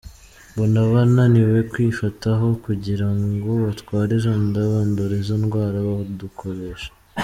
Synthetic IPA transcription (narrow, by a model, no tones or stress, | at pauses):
bonaβananiwe̞kwiːfataɦo̞kuɟiɾaŋɡoβatkwaːɾeʒondaβandoɾezonɡwaːɾaβaodukʰo̞ɾeʃḁ